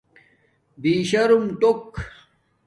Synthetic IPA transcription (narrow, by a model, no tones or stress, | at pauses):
b̪iːɕɐɾumʈok